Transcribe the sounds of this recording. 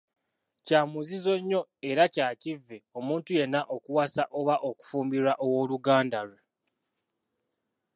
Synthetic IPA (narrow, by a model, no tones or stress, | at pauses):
caːmuzizo̞ɲːo̞e̞ɾacaːcivːeo̞muːntuje̞nːaʔo̞kuwasaʔo̞βaʔo̞ku̥fuːmbiɾaʔowo̞luɡaːndalwe